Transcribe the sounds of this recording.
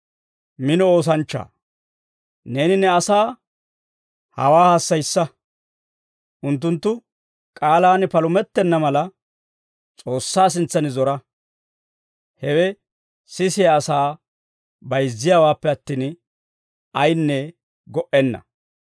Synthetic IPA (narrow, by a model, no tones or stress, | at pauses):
mɪnɔo̞ːs̬ɐnt͡ʃːa̰ː | ne̞ːnɪnɛɐsaː | hɐ̰waːhaːsːɐjsːɐ | ʔʊnt̪̬ːʊnt̪ːʊ | kʼaːlaːnpɐlʊmɛt̪ːɛnːɐmɐlɐ | t͡sʼo̞ːsːaːs̬ɪnt͡sːɐnɪzɔɾɐ | hɛwɛ | sɪsɪjaːsaː | bɐjzːɪjaːwaːpːɛɐt̪ːiːn | ɐjnːɛ | ɡɔʔɛnːɐ̰